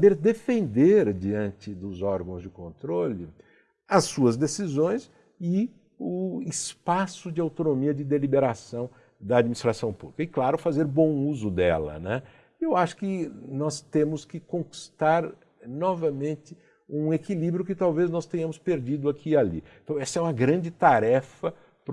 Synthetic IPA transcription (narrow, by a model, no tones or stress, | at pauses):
sabeɾd̪efẽnd̪eɾd͡ʒiɐ̃nt͡ʃɪd̪ʊzɔɾɡɐ̃w̃zd͡ʒɪkõnt̪ɾolɪ | ɐsːuɐzd̪esizõj̃s | ɪ | ʊɪspasʊd͡ʒɪawt̪onomiɐd͡ʒɪd̪elibeɾasɐ̃w̃ | d̪ɐːd͡ʒminist̪ɾasɐ̃w̃publikɐɪklaɾʊfazeɾbõw̃uzʊd̪ɛ̰lɐ̰nɛ | ewaʃʊ̥kɪnɔst̪ẽmʊskɪkõki̥st̪aɾ | nɔvɐmẽnt̪ɪ | ũekilibɾjʊkɪt̪awveznɔst̪ẽɲ̃ɐ̃mʊspeɾd͡ʒid̪ʊakʰialḭ̃ | t̪ɐ̃w̃ɛsɐɛũmɐɡɾɐ̃d͡ʒɪt̪aɾɛfɐ | p